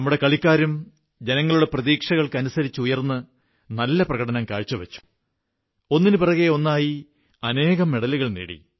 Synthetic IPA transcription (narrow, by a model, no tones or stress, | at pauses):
nɐmːuɽe̞kɐɭikʲːaːɾum | d͡ʑe̞nɐŋːɐɭuɽe̞prɐðiːkʂɐɣɐɭkɨɐnusɐɾit͡ɕːɨujɐrnːɨ | nɐlːɐprɐɣɐɽɐnɐmkaːɻt͡ɕːɐʋɐt͡ɕːu̥ | o̞nːinɨpɐrɐɣeo̞nːaːji | ɐne̞ːɣɐmːeɽɐliɣɐɭnḛːɽḭ